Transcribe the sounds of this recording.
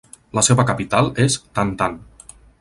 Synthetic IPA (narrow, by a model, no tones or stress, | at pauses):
ləseβəkapit̪alˠest̪ant̪an